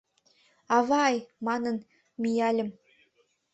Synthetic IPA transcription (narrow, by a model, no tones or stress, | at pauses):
ɑβɑjmɑnɤ̆n | mʲijɑlʲɘ̆m